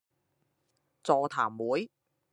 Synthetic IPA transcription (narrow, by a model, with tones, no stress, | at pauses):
t͡sɔː˧t̪ʰa̰ː˨˩mwuː˨˥j